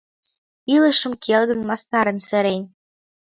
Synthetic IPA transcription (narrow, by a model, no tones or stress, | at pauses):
ilə̆ʃə̆mkʰelɣə̆nmɑsnɑɾə̆nsɘ̆ɾenʲ